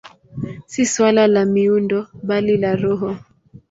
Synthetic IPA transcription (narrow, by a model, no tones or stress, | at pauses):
siswalalamiundɔɓalilaɾɔɦɔ